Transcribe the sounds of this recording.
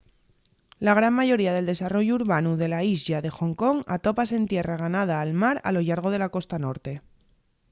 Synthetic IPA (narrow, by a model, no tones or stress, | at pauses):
laɣ̞ɾammaʝo̞ɾiaðe̞ld̪e̞saro̞ʝuuːɾβanuðe̞laizʎaðe̞xo̞ŋko̞ŋat̪o̞pase̞nt̪je̞raɣ̞anað̞aːlmaɾa̰lo̞ʎaɾɣ̞o̞ð̞e̞lako̞st̪ano̞ɾt̪e̞